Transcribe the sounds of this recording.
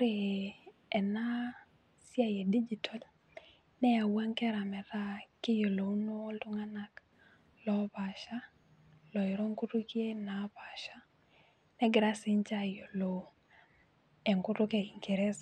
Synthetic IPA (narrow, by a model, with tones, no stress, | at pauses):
ɾe | ɛ˨na˦ | sja˦je˨di˦d͡ʒi˨tʰɔ˨l | nɛ˦a˨wa˦ŋkɛ˦ɾa˨mɛ˨ɾa˦kɪ˦jo˨lo˨u˦no˦ldu˦ŋa˦na˦k | lɔ˦pa˨ʃa˦ | lɔ˨i˨ɾo˦ŋku˦tu˦kje˦na˨pa˨ʃa˦ | nɛ˦ɡɾa˦si˦ɲt͡ʃa˦jo˨lo˨ | ɛ˨ŋkʊ˦tʊ˦kɛ˨i˨ŋke˨ɾe˦s